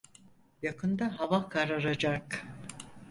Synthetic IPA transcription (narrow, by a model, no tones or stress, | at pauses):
jakʰɯnd̪aɦavakʰaɾaɾad͡ʒak